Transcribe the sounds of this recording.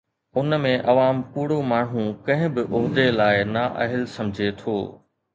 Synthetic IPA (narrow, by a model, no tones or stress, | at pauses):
ʊnmẽʔɐʋaːmpuːɽomaːɳ̤ũkɐ̃ɦɪ̃bɪʔʊɦd̪elaːɪnaʔɐɦɪlsɐ̃md͡ʑʱet̪ʰoː